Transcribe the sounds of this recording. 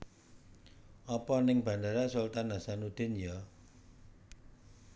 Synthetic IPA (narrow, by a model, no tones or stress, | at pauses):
ɔpɔnɪŋb̥ä̤nd̪aɾasʊlt̪anːasanud̪̥ɪ̤nja